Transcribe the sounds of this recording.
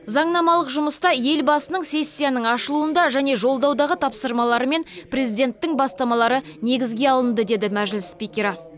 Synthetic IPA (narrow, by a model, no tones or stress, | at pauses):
zɑɴnɑmɑlˠəqʒʊməst̪ɑje̞lbɑsənəɴse̞sʲːijanəɴɑʃəlˠuənd̪ɑʒæne̞ʒo̞lˠd̪ɑwd̪ɑʁət̪ʰɑpsəɾmɑlˠɑɾəme̞nprʲe̞zid̪e̞nt̪ːɪŋbɑst̪ɑmɑlˠɑɾəne̞ɡʲɪzɡʲe̞ɑlˠənd̪əd̪e̞d̪ɪmæʒlɪsːpikʲeɾɑ